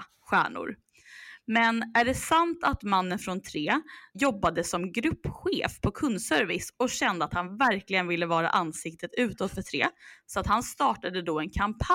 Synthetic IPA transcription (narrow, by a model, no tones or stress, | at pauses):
ɧæːɳʊ̰ɾ | mɛnæɖɛsant̪ʰat̪manːənfɾɔnt̪ʰɾeːjɔbːad̪əsɔmɡɾɵpːɧḛːfpʰɔkʰɵnːsœɾvɪsɔɕɛnd̪əat̪hanvæɾklɪɡənvɪlːəvɑːɾa̰ʔansɪk̚t̪ʰət̪ʉ̟ːt̪ɔt̪fœʈʰɾeːsɔat̪hanst̪ɑːʈad̪əd̪ɔɛnkʰampʰ